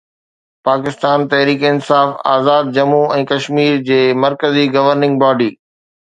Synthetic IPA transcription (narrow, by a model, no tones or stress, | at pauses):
paːkɪst̪aːnt̪ɐɦɾiːkɪnsaːfaːzaːd̪̚d͡ʑɐmuɛ̃ːkɐʃmiːɾd͡ʑeːmɐɾkəziɡɐʋəɾnɪ̃ŋɡbaːɖiː